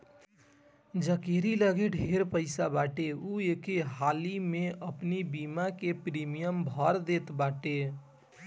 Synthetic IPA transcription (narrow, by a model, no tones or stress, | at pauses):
d͡ʒəkeɾiləɡeɖʱeɾpəɪsabaʈeuekeɦalimeʔəpnibimakepɾimijəmbʱəɾd̪et̪baʈe